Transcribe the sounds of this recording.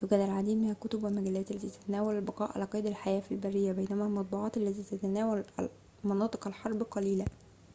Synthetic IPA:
wɪɡæːd̪ælʕad̪iːd̪mɪnhækʊt̪ʊbwelmæɡælːæːt̪ʔælːæt̪iːt̪æ̥t̪ænæːwælælbɑqɑːʔʕa̰læːqɑjd̪ælħajæːfilbærːɪjːæbæjnæmælmɑt̪̚ˤbuːʕɑːt̪ʔalːæt̪iːt̪æt̪ænæːwælæ̰ | mɑnɑːt̪ˤɨ̥qælħɑɾˤbqɑliːlæ

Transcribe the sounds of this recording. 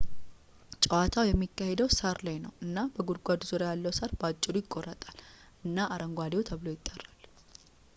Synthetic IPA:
t͡ʃʼəwat̪ʰawjɛmːikːahed̪əwsaɾlajnəwʔɨnːabəɡuɾɡʷad̪uzuɾajalːəwsaɾbat͡ʃʼːɪɾujɪkʼːo̞ɾət̪ʼal | ɨnːaʔaɾəŋɡʷad̪ewt̪ʰəβlo̞jɪt̪ʼːərːal

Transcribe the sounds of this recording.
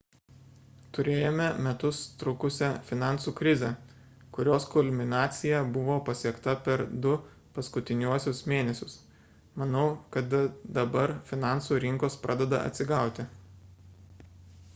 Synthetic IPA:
t̪ʊɾʲeːjoːmʲɛmʲɛt̪ʊst̪ɾʊkʊsʲɛfʲɪnɑˑnsuːkɾʲɪzʲɛ | kʊɾʲoːskʊlʲmʲɪnɑːt̪sʲɪjɛbʊʋoːpɐsʲiɛkt̪ɐpʲɛɾd̪ʊ | pɐskʊt̪ʲɪnʲuɔsʲʊsmʲeːnʲɛsʲʊs | mɐnɐʊkɐt̪d̪ɐbɐɾfʲɪnɑˑnsuːɾʲɪŋkoːspɾʔɑ̰ːd̪ʲɛd̪ɐ̰ɐ̰t̪ʲsʲɪɡɑˑʊt̪ʲɪ

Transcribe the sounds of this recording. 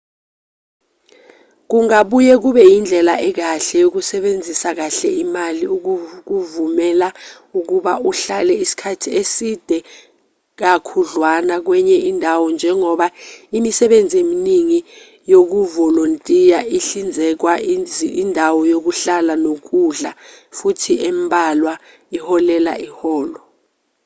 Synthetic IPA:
k̬uŋaɓujɛk̬uɓɛjind͡ɮʱɛlaʔɛk̬aɬɛjok̬usɛɓend͡zʱisak̬aɬɛimaliuk̬uvumɛla | uk̬uɓauɬalɛisi̥kʰatʰiesid̥ʱɛ | k̬akʰuɮwanak̬wɛɲɛʔindʱawɔnd͡ʒʱɛŋɔɓaimisɛɓend͡zʱieminiŋi | jok̬uvɔlontʼijaʔiɬind͡zʱɛk̬waindʱawɔjok̬uɬalanok̬uɮafutʰiɛmbʱalwa | ihɔlɛla̰ʔihɔːlɔ

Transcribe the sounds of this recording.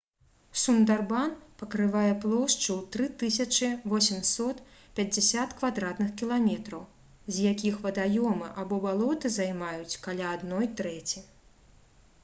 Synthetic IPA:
sund̪arbanpɐkɾɨvajɛplˠɔʂt͡ʂɨwt̪ɾɨt̪ɨsʲɐt͡ʂɨvɔsʲɛmsɔt̪pʲɐd͡zʲasʲat̪kvad̪ɾat̪nɨxkʲilˠamʲɛt̪ɾɐw | zʲjakʲixvɐd̪ajɔmɨʔabɔbalˠɔt̪ɨzajmajut͡sʲkalʲaːd̪nɔjt̪ɾɛt͡sʲi

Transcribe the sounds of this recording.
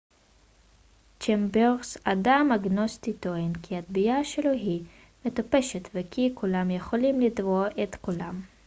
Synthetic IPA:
t͡ʃembeʁsadamaɡnost̪it̪oinkiat̪bijaʃeloɦi | met̪opeʃet̪vekʰikulamjeχo̞limlid̪voʔet̪kulam

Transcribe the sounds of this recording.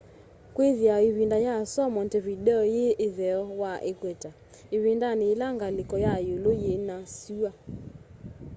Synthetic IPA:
kweðjaeβindajasɔmɔntɛβidɛɔjeʔeðɛɔwaʔekwɛta | eβindaneːlaŋɡalekɔjajolojenasua

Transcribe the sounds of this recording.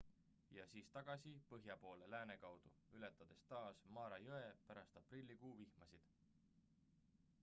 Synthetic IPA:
jɑsiːst̪ɑɡ̥ɑsipɤɦjɑpo̞ːle̞læːne̞kɑwd̪̥uyle̞t̪ːˑɑd̪̥e̞st̪ɑːsmɑːɾɑjoe̞pæɾɑst̪ɑprilʲːikuːvihmɑsid̪̥

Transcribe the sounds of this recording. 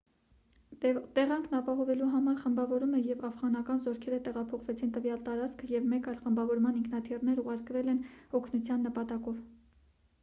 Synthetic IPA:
t̪ɛʁɑŋkʰnɑpɑɦɔvɛluɦɑmɑɾχəmbɑvɔɾumɛjɛvɑfʁɑnɑkɑnzɔɾkʰɛɾət̪ɛʁɑpʰɔχvɛt͡sʰint̪əvjɑlt̪ɑɾɑt͡skʰəjɛvmɛkɑjlχəmbɑvɔɾmɑniŋkʰnɑt̪ʰirnɛɾuʁɑɾkvɛlɛnɔkʰnut͡sʰjɑnːəpɑt̪ɑkɔv

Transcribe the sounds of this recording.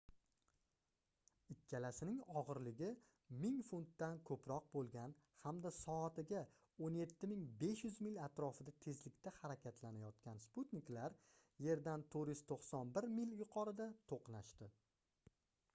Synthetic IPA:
ɪkʲːalasɪnɪŋɒʁɨɾlɪɡʲɪ | mɪŋfunt̪ːankʰɵpʰɾɒq̚bolˠɡʲanhamd̪asɒat̪ɪɡʲa | onje̞t̪ʰːɪmɪŋbe̞ʃjʏzmɪlʲat̪ɾɒfɪd̪at̪ʰe̞zlɪkʲt̪ʰahaɾakʲʰat̪ʰlanajɒt̪̚kʲansput̪nɪklaɾ | je̞ɾd̪ant̪ʰɵɾjʏz̥t̪ʰoqsɒnbɪɾmɪljʊqʰɒɾɪd̪at̪ʰoqnaʃt̪ɪ

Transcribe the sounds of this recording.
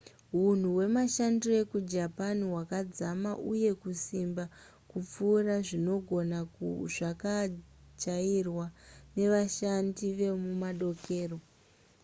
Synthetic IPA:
ɦun̤uwe̞maʃandue̞kud͡ʒapaniɦwakad͡zamaʔuje̞kusimba | kup͡fuːraʐino̞ɡʱo̞nakuʐakad͡ʒairwane̞ʋaʃandiʋe̞mumaɗo̞ke̞ːro̞

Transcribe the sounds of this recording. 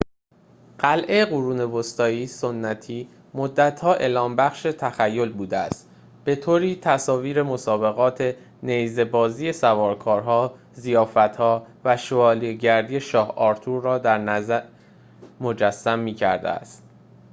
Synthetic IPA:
ɢ̥ælʔe̞ɣuɾuːne̞vost̪ɒːiːsonːæt̪ʰiː | mod̪ːæt̪ʰhɒːʔe̞ːlɒːmbæxʃet̪ʰæxæjːo̞lbuːd̪eæ̰st̪ | b̥e̞t̪ʰoːɾiːt̪ʰæsɒːviːɾe̞mo̞sɒːbe̞ɣɒːt̪ʰe̞ | nejze̞bɒːziːjesævɒːɾkʰɒːɾɦɒː | zijɒːfæt̪hɒːvæʃoɒːliɟæɾd̪iːje̞ʃɒːhɒːɾt̪ʰuːɾrɒːd̪æɾnæzæɾ | mo̞d͡ʒæsːæmːiːcʰæ̰ɾd̪ḛæ̰st̪

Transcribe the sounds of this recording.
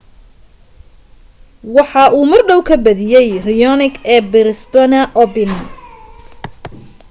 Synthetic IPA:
wɑħɑʔuːmɐrɖɔwkʰɐbɐðɪjɛjrɪjɔnɪɡɛːbɪɾɪsbɐnɐʔɔbɪn

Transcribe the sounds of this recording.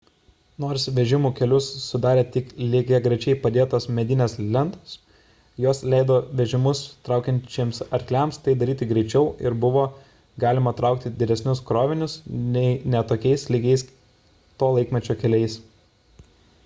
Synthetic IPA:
noːɾsʋʲɛʒʲɪmuːkʲɛlʲʊsːʊd̪ɑːɾʲeːt̪ʲɪklʲɪɡʲɛɡɾʲɛɪt͡ʃʲɛɪpɐd̪ʲeːt̪oːsmʲɛd̪ʲɪnʲɛslʲɛnt̪os | joɔslʲɛɪd̪oːʋʲɛʒʲɪmʊst̪ɾɑˑʊkʲɛnʲt͡ʃʲeːmsɐɾʲklʲæˑmst̪ɐɪd̪ɐɾʲiːt̪ʲɪɡɾʲɛɪt͡ʃʲɛʊɪɾbʊʋoː | ɡɑːlʲɪmɐt̪ɾɑˑʊk̚t̪ʲɪd̪ʲɪd̪ʲɛsʲnʲʊskɾoːʋʲɪnʲʊsnʲɛɪnʲɛt̪oːkʲɛɪslʲɪɡʲɛɪs | t̪oːlˠɐɪkmʲɛt͡ʃʲoːkʲɛlʲɛɪs

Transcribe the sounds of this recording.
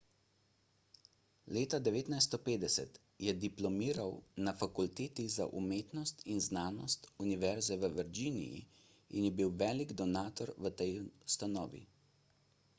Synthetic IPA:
leːt̪ad̪ɛʋeːt̪najst̪ɔpeːd̪ɛsɛ̰t̪ | jɛd̪iplɔmiːɾawnafakult̪eːt̪iza̰ʔumeːt̪nɔst̪inznaːnɔst̪uniʋɛɾzɛʋəʋəɾd͡ʒiːnḭjḭ | ḭnjɛbiwʋɛːliɡd̪ɔnaːt̪ɔɾʋət̪ɛjust̪anɔ̰ːʋḭ

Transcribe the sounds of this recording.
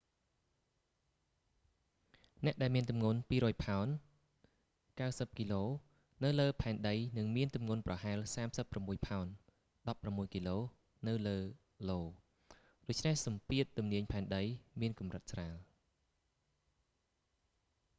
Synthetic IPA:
nɛ̆əʔɗaɛlmiənt̪umŋuənpiːɾɔːjpʰaɔn | kawsəp̚kiloː | nɨwləːpʰaɛnɗəjnɨŋmiənt̪umŋuənprɑɦaɛlsaːmsəpːramːuəjpʰaɔn | ɗɑpːramːuəjkiloː | nɨwləː | loː | ɗoc̚t͡ɕʰnehsɑmpiət̪̚ːumniəɲpʰaɛnɗəjmiənkumrət̪̚sraːl

